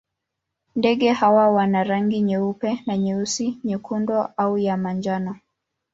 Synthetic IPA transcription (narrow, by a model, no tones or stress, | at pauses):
ndɛɠɛhawawanaɾaŋɡiɲɛupɛnaɲɛusiɲɛkʰundɔʔaujamand͡ʒanɔ